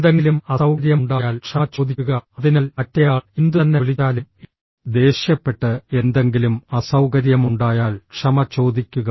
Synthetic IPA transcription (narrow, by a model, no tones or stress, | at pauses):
d̪eŋɡilumɐsɐwkɐɾjɐmɳɖaːjaːlkʂɐt͡ɕo̞ːd̪ʱikːuɣɐɐðinaːlmɐtːɐjaːɭind̪uɐnːeliaːlum | d̪e̞ːɕjɐpːe̞ʈːɨe̞nd̪e̞ŋɡilumɐsɐwkɐɾjɐmuɳɖaːjaːlkʂɐmɐt͡ɕo̞ːd̪ikʲːuɣɐ